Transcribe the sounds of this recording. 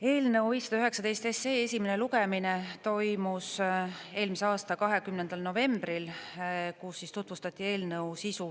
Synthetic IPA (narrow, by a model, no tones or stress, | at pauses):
e̞ːlnɤwviːsɑd̪ɑyhɦe̞ksɑd̪e̞jst̪e̞seːesʲimene̞luɡeminet̪o̞jmuse̞ːlmiseɑːst̪ɑkɑɦe̞kymnend̪̥ɑlno̞ve̞mb̥rilkusːist̪ut̪vust̪ɑt̪ʲːˑie̞ːlnɤwsisu